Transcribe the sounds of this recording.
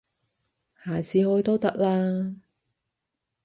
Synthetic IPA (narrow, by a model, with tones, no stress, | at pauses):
haː˨˩t͡sʰiː˨˧˥hɔː˨˥jt̪o˥wt̪ɐ˥k̚laː˧